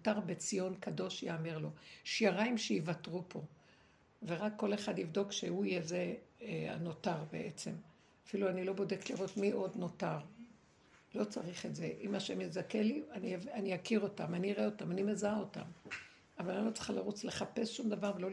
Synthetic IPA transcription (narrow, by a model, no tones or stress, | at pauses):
otaʁbet͡sijo̞nkado̞ʃjaːmeʁlo̞ʃiaʁaimʃejivatʁupʰo̞ | ve̞ʁakːo̞le̞χadivd̪o̞kʃeuijezea̰no̞taʁbḛʔet͡se̞m | afiluanilo̞bo̞de̞kliʁo̞tmiʔo̞dno̞taʁ | lo̞t͡saʁiχe̞tze̞ʔimaʃemjezakelianianijakiʁo̞tamaniʁeo̞tamanimezaaota̰m | avalanilo̞t͡se̥χalaʁut͡sle̞χape̞sʃumd̪avaʁvelo̞